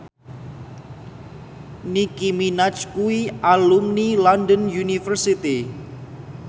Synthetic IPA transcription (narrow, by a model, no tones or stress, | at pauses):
nikiminat͡ʃkuiʔalumnilɔndənjunifərsit̪i